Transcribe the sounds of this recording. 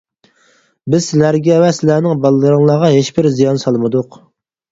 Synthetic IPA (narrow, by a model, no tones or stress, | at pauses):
bɪz̥sɪlæɾɡʲɛvɛsɪlæɾnɪŋbɑlˠɨlˠɨɾɨŋlˠɑːʁɑɦeʃbɪɾzijɑnsɑlˠmɨd̪ʊq